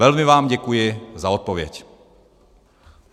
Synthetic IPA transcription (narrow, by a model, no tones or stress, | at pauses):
ɛlmɪvaːmɟɛkujɪzaot̪̚povjɛc